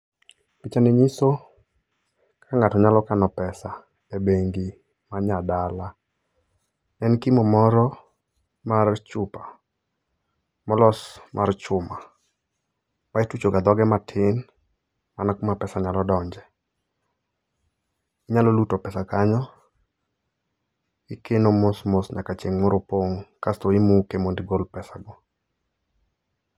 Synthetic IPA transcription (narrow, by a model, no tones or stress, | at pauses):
pɪt͡ʃaneɲiso | kʰaŋatɔɲalɔkanɔpɛsa | ebeŋɡi | maɲadala | ɛnkimɔmɔɾɔ | mart͡ʃʊpa | mɔlɔsmʔart͡ʃʊma | maɪtut͡ʃoɡad̪ɔɡɛmatʰɪn | manakumapɛsaɲalɔdɔɲd͡ʒɛ | iɲalɔlutopɛsakaɲɔ | ikenomosmosɲa̰kat͡ʃeŋːoɾopoŋkastoimukemondɪɡolpɛsaɡɔ